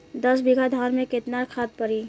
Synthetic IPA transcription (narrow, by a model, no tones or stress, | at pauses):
d̪əs̬biɡʱad̪ʱɔɾmẽket̪naɾkʰad̪̚pəɾi